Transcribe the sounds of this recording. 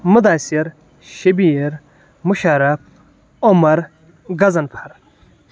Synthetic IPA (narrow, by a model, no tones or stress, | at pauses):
mud̪aːsiɾ | ɕɐbiɾ | muʃaɾɐp̚ | omɐɾ | ɡɐzɐnpʰaɾ